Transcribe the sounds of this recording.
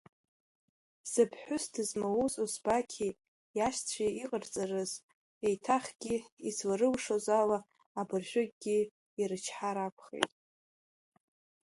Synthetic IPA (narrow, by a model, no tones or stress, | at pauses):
sɨpʰħʷʊsdɨzmawuzʼozbakʲʰi | jaʃt͡sʷʰiiqʼərt͡sʼarɨz | ejtʰaχʲɡʲiizwaɾɨlʂozalaː | bɨrʒʷᶣʊɡɡʲi | irɨt͡ʃʰħaɾapʷʰχḛjtʼ